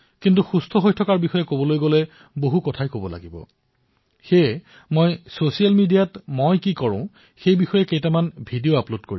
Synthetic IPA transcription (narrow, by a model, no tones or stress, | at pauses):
kintuxustʰɔɦojtʰɔkaɹbixɔjɛkobɔlojɡolɛ | boɦukɔtʰajkobɔla̰ɡibɔ̰ | xe | mojsosialmidijatmojkikɔɹʊ̰̃ | xejbixɔjɛkejtamanbʱidijoaplodkoɹi